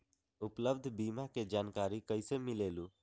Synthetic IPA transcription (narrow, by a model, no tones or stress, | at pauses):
upləbd̪ʱbimaked͡ʒaːnkaɾikəɪsemilelu